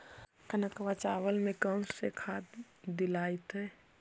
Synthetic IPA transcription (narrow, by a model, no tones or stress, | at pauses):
kənakəʋat͡ʃaʋəlmekənsekʰat̪ | d̪ilajt̪e